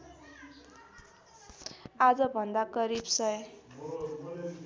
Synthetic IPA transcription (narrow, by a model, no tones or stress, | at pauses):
ad͡zʌbʱʌnd̪aɡʌɾibsʌj